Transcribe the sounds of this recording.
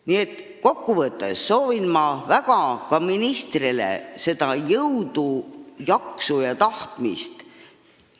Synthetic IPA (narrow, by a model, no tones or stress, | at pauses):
nie̞t̪ːˑ | ko̞kːuvɤt̪ːˑḛsːo̞ːvinmɑvæɡ̥ɑkɑminist̪rilḛse̞d̪̥ɑjɤwd̪̥ujɑksujɑt̪ɑht̪mḭst̪